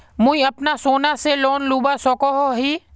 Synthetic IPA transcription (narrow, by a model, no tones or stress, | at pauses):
mʊ̃ĩɐpnasoːnaseloːnluːbasɔːkoɦoɦiː